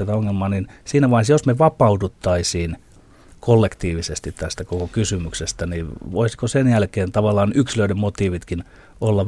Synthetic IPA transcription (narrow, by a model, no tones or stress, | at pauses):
æt̪æoŋːelmɑːninsiːnæʋɑinsjosmeʋɑpɑud̪ut̪ːɑisiːn | kolːekt̪iːʋisest̪it̪t̪æst̪ækokokysymyksest̪æniʋoisi̥kosenjælkeːnt̪ɑʋɑlːˑɑːnyksiløidemmot̪iːʋit̪kin | olːɑ